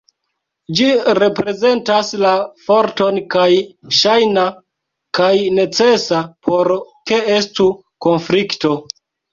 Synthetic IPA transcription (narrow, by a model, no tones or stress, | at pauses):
d͡ʒiɾe̞pɾe̞ze̞ntaslafo̞ɾto̞nkajʃajna | kajne̞t͡se̞sapʰo̞ɾke̞estu | ko̞nflikto̞